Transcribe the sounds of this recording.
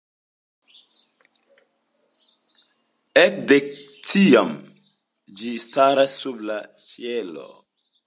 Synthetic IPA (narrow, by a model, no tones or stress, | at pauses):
ekdektʰiam | d͡ʒistaɾasːubla | ʃielo̰